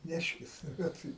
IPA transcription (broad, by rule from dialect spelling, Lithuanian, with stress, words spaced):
ˈnʲæːʃʲkʲɪs ˈbʲɛt